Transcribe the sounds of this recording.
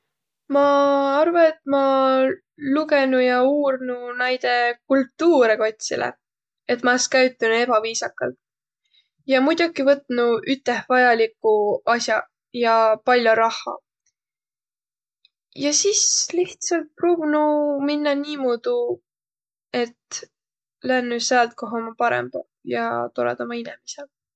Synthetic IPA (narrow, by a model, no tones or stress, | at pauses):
mɑɑrvɑet̪̚ːˑmɑ | luke̞nujɑuːrnunæjd̪̥e̞kult̪ːuːɾeko̞t̪ʲsḭlḛ | e̞t̪ːmɑeskæɥt̪ːˑunue̞bɑviːsɑkːˑɑ̰lt̪ | jɑmud̪̥ʲukivɤt̪ːˑnuʔyt̪ːˑe̞hvɑjɑlikːˑuɑsjɑ | jɑpɑlʲjoɾɑhˑɑ̰ | jɑsisliht̪sɑlt̪̚pruːbunuminːɑniːmuːd̪̥u | e̞t̪ | lænːy̥seɑlt̪̚ko̞ɦomɑpɑɾḛmb̥ɑ | jɑ̰t̪oɾḛd̪̥omɑinemisel